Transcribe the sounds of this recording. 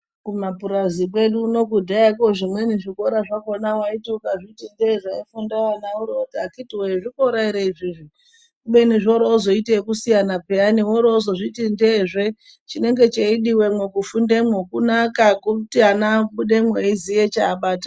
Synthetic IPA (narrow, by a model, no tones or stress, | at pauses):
kumapuɾazik̬we̞ɗuːno̞kudʱaakoʐimweniʐiko̞ɾaʐakonawaitukaʐitindeʐaifundawanauɾotakitiweʐikoɾaiɾeiʐiʐi | ɓeniʐo̞ɾoːzo̞itekusijanapeaniwoɾoːzoʐitindeʐe̞ | t͡ʃine̞ŋɡe̞t͡ʃeiɗiwemwekufundemwokunakakuutianaɓuɗemweizijet͡ʃaːɓaːta